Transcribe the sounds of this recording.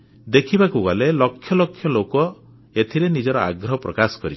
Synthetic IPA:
d̪ekʰibakuɡɔlelɔkʰjɔlɔkʰjɔlokɔ | et̪ʰiɾenid͡ʒɔɾɔa̰ɡɾɔɦpɾɔkasɔ̥kɔɾit͡ʃʰ

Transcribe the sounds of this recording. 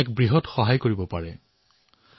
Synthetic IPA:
ɛkbɹiɦɔtxɔɦajkoɹibɔpaɹɛ

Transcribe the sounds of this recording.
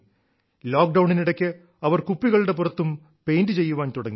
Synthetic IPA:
loːk̚ɖɐwɳiniɽɐkʲːɨ | ɐʋɐrkupːiɣɐɭɽe̞p̬urɐt̪ːum | pe̞jndɨt͡ɕe̞jːuʋaːnt̪uɽɐŋːi

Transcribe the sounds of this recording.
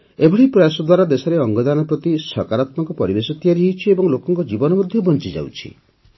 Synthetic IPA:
ebʱɔɽipɾɔjasɔd̪waɾad̪esɔɾeɔŋɡɔd̪anɔpɾɔt̪isɔkaɾat̪mɔŋkɔpɔɾibesɔt̪ijaɾiɦewt͡ʃʰiebɔŋlokɔŋkɔd͡ʒibɔnɔmɔd̪ʱjɔbɔnt͡ʃid͡ʒa̰wt͡ʃʰḭ

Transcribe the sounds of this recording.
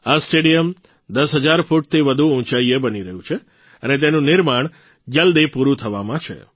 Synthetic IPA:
asʈeɖijəm | d̪əsɦəd͡ʒaɾfuʈ̚t̪ʰiʋəd̪ʱuũt͡ʃaiebəniɾəɦjũt͡ʃʰe | ənet̪̬enũnɪɾmaɳ̃ | d͡ʒəld̪ipuɾũt̪ʰəʋamãt͡ʃʰḛ

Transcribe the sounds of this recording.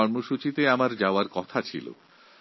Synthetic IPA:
ɔɾmoʃut͡ɕit̪eamaɾd͡ʑaoaɾkɔt̪ʰat͡ɕʰḭlo̰

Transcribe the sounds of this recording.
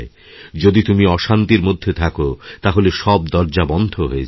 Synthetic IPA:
e | d͡ʑod̪it̪umiɔʃant̪iɾmod̪ʱːet̪ʰakot̪aɦoleʃɔb̚d̪ɔɾd͡ʑabɔnd̪ʱoɦoet͡ɕ

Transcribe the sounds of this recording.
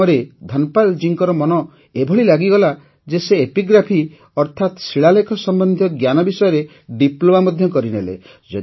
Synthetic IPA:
ɔɾed̪ʱanpald͡ʒiŋkɔɾɔmɔnɔ | ebʱɔɭilaɡiɡɔla | d͡ʒeseepiɡɾapʰi | ɔɾt̪ʰat̪siɭalekʰɔsɔmbɔnd̪ʱjɔɡjanɔbisɔjɔɾe | ɖiplomamɔd̪ʱjɔkɔɾinḛlḛ | d͡ʒɔ

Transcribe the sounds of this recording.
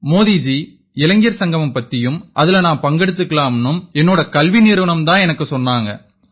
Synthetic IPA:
moːðiːd͡ʒi | ɪlɐŋɡɪjɐɾsɐŋɡɐmɯmpɐt̪ːɪjɯmʔɐðɪlɐnaːmpɐŋɡɛɽɯt̪̬ːɯkːɐɭlaːmɐnːɯmɛnːoːɽɐkɐlʋinɪɾʋɐɳɐmt̪ãːɛnɐkːɯsɔnːaːŋɡɐ̰

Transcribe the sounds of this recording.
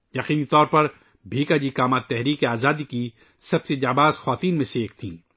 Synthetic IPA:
jɐqiːnit̪ɔːɾpɐɾ | bʱiːkad͡ʒikaːmaːt̪ːɛɦɾiːkeaːzaːd̪iki | sɐb̚sed͡ʒaːbaːzxwaːt̪iːnmẽseeːk̚t̪ʰĩː

